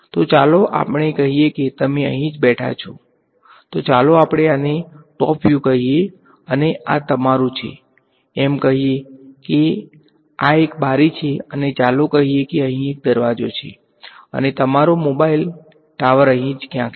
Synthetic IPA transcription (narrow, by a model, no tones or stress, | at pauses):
t̪ot͡ʃaloʔa̰pɳ̃ekəɦijeket̪əmeə̰ɦĩd͡ʒbɛʈʰa̰t͡ʃʰo | t̪ot͡ʃaloapɽ̃eaneʈɔ̰pjũkəɦie | əneʔa̰t̪əmaɾũt͡ʃʰḛ | ɛmkəɦijeke | aekbʱaɾit͡ʃʰeənet͡ʃalokəɦijekeəɦĩek̚d̪əɾʋad͡ʒot͡ʃʰḛ | ə̰net̪əmaɾomobail | ʈaʋəɾəɦĩd͡ʒkjãk